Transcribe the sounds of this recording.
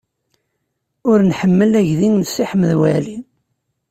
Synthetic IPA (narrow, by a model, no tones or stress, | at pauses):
ʊɾnħəmːəlæʝðinnsːiħmːəðwælin